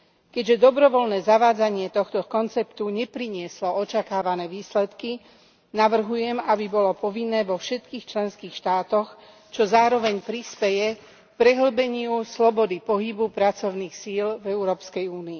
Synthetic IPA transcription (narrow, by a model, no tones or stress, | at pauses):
kɛɟʒɛd̪ɔbɾɔʋɔlnɛːzaʋaːd͡zaɲɪɛt̪ɔxt̪ɔkɔnt͡sɛpt̪uɲɛpɾiɲɪɛslɔɔt͡ʃakaːʋanɛːʋiːslɛt̪ki | naʋr̩ɦujɛmabibɔlɔpɔʋinːɛːʋɔfʃɛt̪kiːxt͡ʃlɛnskiːxʃt̪aːt̪ɔx | t͡ʃɔzaːɾɔʋɛɲpɾispɛjɛ | k̚pɾɛɦl̩bɛɲɪuslɔbɔd̪ipɔɦibupɾat͡sɔʊniːxsilvɛuɾɔːpskɛjuːniː